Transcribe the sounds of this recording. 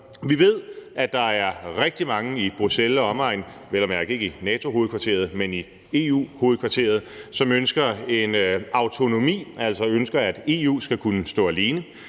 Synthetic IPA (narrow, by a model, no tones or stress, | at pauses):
ʋiʋe̝ð̰ˠæd̥ɑ̈æɐʁeɡ̥̚d̥imɑ̈ŋəib̥ʁuselɒ̽ɒ̽mɑ̈ɪn | ʋelɒmjæɐeɡ̥e̝ɡ̥əinɛːt͡sʰo̝ɦo̝ːð̩ˠkʰʋɑ̈t͡sʰe̝̰ɐð̞ˠmeni | e̝ːṵːho̝ːð̩ˠkʰʋɑ̈t͡sʰe̝̰ɐð̞̩ˠsɒ̽mønsɡ̥ɐe̝nɑ̈ʊt͡sʰo̝no̝mḭːæl̰sɒ̽ønsɡ̥ɐæd̥e̝ːṵːsɡ̥ækʰunəsd̥ɔ̰̽ːæliːnə